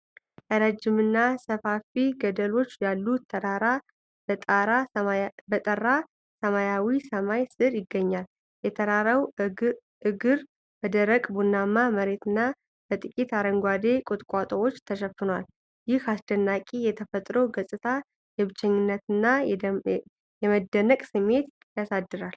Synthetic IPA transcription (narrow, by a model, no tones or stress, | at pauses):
ʔəɾəd͡ʒːɪmɨnːasəfafiɡəd̪əlo̞t͡ʃːjalːuəɾaɾa | bət̪ʼərːa | səmajawisəmajsɨɾjɪɡːəɲːal | jɛt̪ʰəɾaɾəw | ɨɡɨɾ | bəd̪əɾəkʼbunːamːaməɾe̞t̪ʰɨnːa | bət̪ʼɨkʲʼit̪aɾəŋɡʷad̪e̞kʼot̪ʼkʷʼat̪ʼəwo̞t͡ʃːt̪ʰəʃɛfɨnwal | jɪhasd̪ənːakʼijɛt̪ʰəfət̪ʼɾowɡəsʼɨt̪ʰa | jɛβɨt͡ʃːɛɲːɪnːət̪ɨnːa | jɛməd̪ːənəkʼsɨmːe̞t̪ | jasad̪ːɨɾal